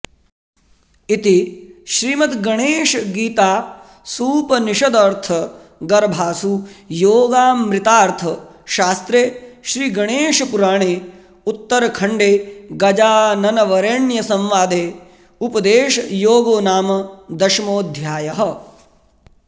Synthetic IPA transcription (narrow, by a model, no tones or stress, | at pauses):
it̪iʃɾiːmɐt̪ɡɐɳeːʃɐɡiːt̪aː | suːpɐniʃɐd̪ɐɾt̪ʰɐ | ɡɐɾbʱaːsujoːɡaːmɾɪt̪aːɾt̪ʰɐ | ʃaːst̪ɾeːʃɾiːɡɐɳeːʃɐpuɾaːɳ̃eː | ut̪ːɐɾɐkʰɐɳɖeːɡɐd͡ʒaːnɐnɐʋɐɾeɳjɐsɐ̃mʋaːd̪eː | upɐd̪eːʃɐjoːɡoːnaːmɐd̪ɐʃmoːd̪ʱjaːjɐɦɐ̆